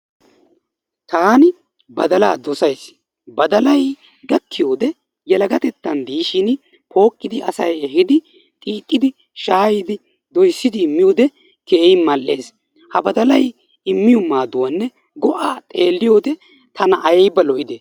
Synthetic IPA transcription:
t̪aːnɪ | bɐd̪ɐla̰ːd̪ɔsɐjs | bɐd̪ɐlɐj | ɡɐkːɪjo̞ːd̪ɛ | jɛlɐɡɐt̪ɛt̪ːɐnd̪iːʃɪn | pʰo̞ːkʼːɪd̪ɪʔɐsɐjɛɦɪd̪ɪ | t̪ʼiːt̪ʼːɪd̪ɪ | ʃaːjɪd̪ɪ | d̪ɔjsːɪd̪ɪɪmːɪjoːd̪ɛ | ke̞ːjɪmɐlːe̞ːs | hɐbɐd̪ɐlɐj | ɪmːɪjɔmːaːd̪ʊwɐnːɛ | ɡɔʔaːt̪ʼe̞ːlːɪjoːd̪ɛ | t̪ɐnɐʔːjjbɐlɔʔɪd̪eː

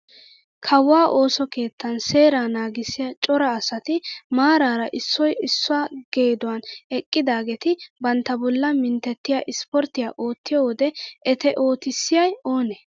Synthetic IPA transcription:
kʰɐwːaːʔo̞ːsɔke̞ːt̪ːɐnse̞ːɾaːnaːɡɪsːɪjat͡ʃʼɔɾɐːsɐt̪ɪmaːɾaːɾɐʔɪsːɔjɪsːʊaːɡ̥e̞ːd̪ʊwɐnɛkʼːɪd̪aːɡɛt̪ɪbɐnt̪ːɐbɔlːɐmɪnt̪ːɛt̪ːɪjaːʔɪspɔɾt̪ːɪjaːʔo̞ːt̪ːɪjɔːwɔd̪ɛʔɛt̪ɛʔo̞ːt̪ɪsːɪjɐjo̞ːnɛ

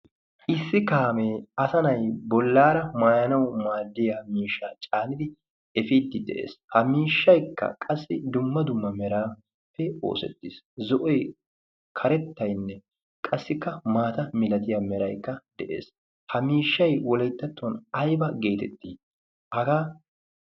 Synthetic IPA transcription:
ʔɪsːɪkaːmeɐsɐnɐjbɔlːaːɾɐmaːjɐnɐwmaːd̪ːɪjamiːʃːaːt͡ʃʼaːnɪd̪ɪ | ɛfiːd̪ːɪd̪ɛ̰ʔḛːshɐmiːʃːɐjkːɐ̰kʼɐsːɪd̪ʊmːɐd̪ʊmːɐmɛɾaː | fɛo̞̰ːsɛ̰t̪ːis | zɔʔɔj | kʰɐɾɛt̪ːɐjnːɛ | kʼɐsːɪkːɐmaːt̪ɐmɪlɐt̪ɪjɐmɛɾɐjkːɐd̪̥ɛʔḛːs | hɐmiːʃːɐjwɔlɐjt̪ːɐt̪ːonɐjbɐɡe̞ːt̪ɛt̪ːiː | ʔɐɡaː

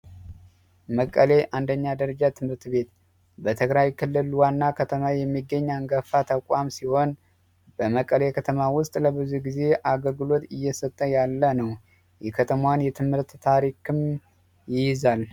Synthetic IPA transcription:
məkʼːəle̞ʔand̪əɲːad̪əɾəd͡ʒat̪ʰɨmhɨɾt̪be̞t̪ | bət̪ʰɨɡɾajkʰɨlːɨlwanːakʰət̪ʰəmajɛmːiɡːəɲːaŋɡəfat̪ʰəkʷʼamsiho̞n | b̥əməkʼːəlekʰət̪ʰəmawʊst̪ʼləβɨzuɡize̞ʔaɡəlɡɨlo̞t̪ɪjːɛsət̪ʼːəjalːənəw | jɛkʰət̪ʰəmanjɛt̪ʰɨmhɨɾt̪ːʰaɾikʰɨm | jɪjɪzal

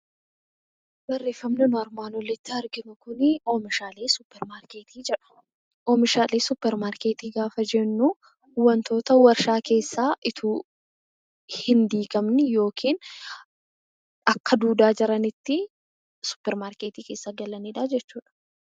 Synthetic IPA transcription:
bɐrːe̞ːfːɐmnɛnʊɐɾmaːnɔlːɛt̪ːɪɐɾɡɪmʊkʊnɪoːmɪʃaːleːsʊpːɛɾmaːɾkeːt̪ʰiːd͡ʒɛᶑɐ̥ | ʔoːmɪʃaːleːsʊpːɛɾmaːɾkeːt̪iːɡaːfɐd͡ʒɛnːʊ | wɐnt̪o̞ːt̪ɐwɐɾʃaːke̞ːsːaːʔɪt̪ʰuː | hɪnd̪iːɡɐmnɪjo̞ːkʰiːn | ɐkːɐd̪uːd̪aːd͡ʒɪɾɐnɪt̪ːɪ | sʊ̥pːɛɾmaːɾkeːt̪iːke̞ːsːaɡɐlɐneːᶑaːd͡ʒɛt͡ʃːuːᶑɐ̥

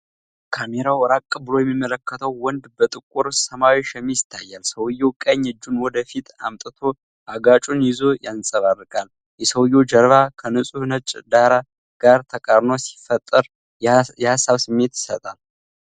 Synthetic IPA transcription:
kʰame̞ɾawɔɾakʼːɨbɨlo̞jɛmːimːələkːət̪ʰəwːɔnd̪bət̪ʼɨkʼːuɾsəmawiʃɛmijɪt̪ʰːajːalsəwɨjːokʼəɲːɨd͡ʒːunwɔd̪əfit̪amt̪ʼɨt̪ʰo̞ | ʔaɡat͡ʃʼunjɪzo̞jansʼəβarːɨkʼal | jɛsəwjːod͡ʒəɾβakʰənɨsʼuhnət͡ʃʼd̪aɾa | ɡ̥aɾt̪ʰəkʼəɾnosi̥fət̪ʼːəɾ | jɛhasːaβsɨmːe̞t̪jɪ̥sət̪ʼal

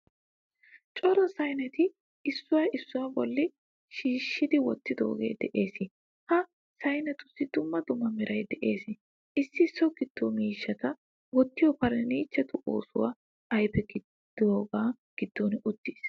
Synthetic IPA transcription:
t͡ʃʼɔɾɔsɐjnɛt̪ɪ | ɪsːʊwɐjɪsːʊwabɔlːɪ | ʃiːʃːɪd̪ɪwɔt̪ːɪd̪o̰ːɡḛːd̪ɛʔe̞ːsɪ | hɐ | sɐjnɛt̪ʊsːɪd̪̥ʊmːɐd̪ʊmːɐmɪɾʔɐjd̪ɛʔe̞ːsɪ | ɪsːɪsːɔɡɪd̪̥ːoːmiːʃːɐt̪ɐ | wɔt̪ːɪjɔpɐɾɛniːt͡ʃːɛt̪ʊʔoːsʊwa̰ | ɐjpɛɡɪ̥ | oːɡaː | ɡ̥ɪd̪̥ːonʊt̪ːiːs

